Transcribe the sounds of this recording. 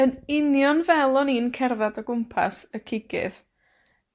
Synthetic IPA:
ənɪnjɔnvɛlˠɔniːnkʰɛrðadɔɡʊmpʰa̰səkʰɪɡɪ̰ð

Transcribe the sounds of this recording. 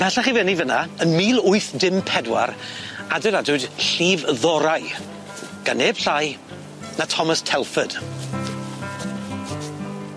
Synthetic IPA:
pʰɛɬaχivɛnivənaənmiːlˠʊɨθdɪmpʰɛdwa̰ɾadɛlˠadʊd̥ɬiːvðɔɾaj | ɡ̥aneːb̥ɬaj | natʰɔməstʰɛlˠfəd̥

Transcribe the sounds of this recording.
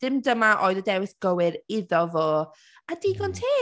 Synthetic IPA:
d̥ɪmdəmaʔoːɨðədɛwɪθɡ̥əwɪɾɪðɔvoː | adiːɡɔntʰiː

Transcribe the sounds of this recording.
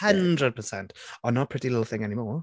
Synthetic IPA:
əndɹəd̚pʰəsɛ̃ntɔnːɔpʰɹ̥ɪtilɪtl̩ˠθɪ̃ŋɛnimɔː

